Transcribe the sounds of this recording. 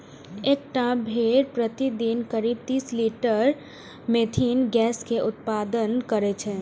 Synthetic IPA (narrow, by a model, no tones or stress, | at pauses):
eːkʈãbʱeɾpɾət̪id̪inkəɾiːb̚t̪iːsliːʈəɾ | mẽt̪ʰinɡɛːskeʔʊt̪̚paːd̪ənkəɾet͡ʃʰɛː